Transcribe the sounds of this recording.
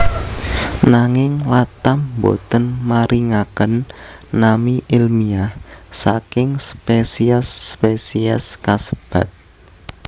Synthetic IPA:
naŋɪŋlat̪ambo̰t̪ənmaɾʔiŋakənː | amiʔilmiahsakɪŋspesiɛsːpesiɛskasəb̥ä̤t̪̚

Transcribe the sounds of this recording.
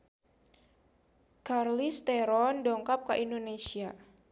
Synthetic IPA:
karlist̪ɛɾɔndɔŋkap̚kaʔindonesia

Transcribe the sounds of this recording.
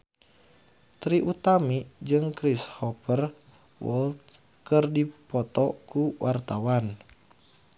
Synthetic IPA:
t̪ɾiʔut̪amid͡ʒɨŋkɾishɔpər | wʔɔ̰lt̪ | kɨrdipɔt̪ɔkuwʔart̪awan

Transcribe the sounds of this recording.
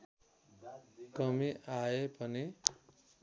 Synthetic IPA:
kʌmiʔaepʌni

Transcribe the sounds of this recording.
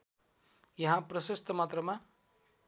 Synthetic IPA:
jʌɦãprʌsest̪ʌmat̪rʌma

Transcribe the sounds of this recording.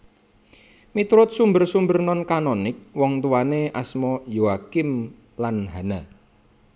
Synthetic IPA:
mit̪ɾʊt̪̚sumbərsumbərnɔnkanɔnɪk̚wɔŋt̪uwaneʔasmɔjoakɪm | lanɦana

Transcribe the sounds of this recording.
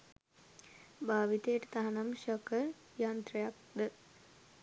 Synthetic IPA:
baːʋit̪ejəʈət̪aɦanamʃɔkə | jaːnt̪ɾəjak̚d̪ə

